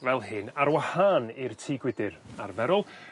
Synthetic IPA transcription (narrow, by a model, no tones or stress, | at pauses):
vɛlˠɦɨnaɾwahanirtʰiːɡwɪdɨɾarvɛɾɔlˠ